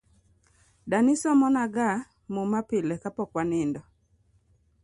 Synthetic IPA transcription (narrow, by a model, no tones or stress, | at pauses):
danɪsɔmɔnaɡa | momapɪlɛkapɔkwanɪndɔ